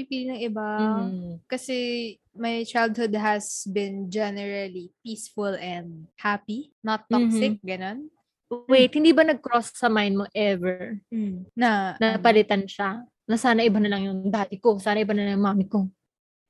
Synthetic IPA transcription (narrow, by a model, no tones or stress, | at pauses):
ipiːlinɐŋɪba | kɐsɛ | mɐjt͡ʃajld̪̚hʊd̪̚ɦɐsbɪ̃nd͡ʒɛnɛɹɐlipiːsfʊlɛ̃nd̪̚hapi | nɐt̪ːɔksɪk̚ɡɐnon | wejt̪̚hɪnd̪iːbɐnɐɡ̚kɾosːɐmajn̚moʔɛvɛ | nɐnɐpɐlɪt̪anʃa | nɐsaːnɐʔɪbanɐlɐŋjʊŋd̪aːt̪ɪko̞saːnɐʔɪbanɐlɐŋjʊŋmaːmɪko